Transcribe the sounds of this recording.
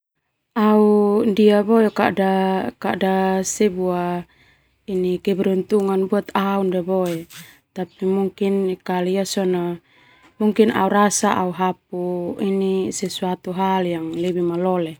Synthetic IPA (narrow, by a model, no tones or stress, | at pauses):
aundiabɔekadakadasɛbua | inikɛbɛɾunt̪uŋanbuat̪aundiabɔe | t̪apimuŋkinkaliasɔna | muŋkina̰uɾasaʔauɦap̚uinisɛsuat̪uɦaljaŋlɛbimalɔlɛ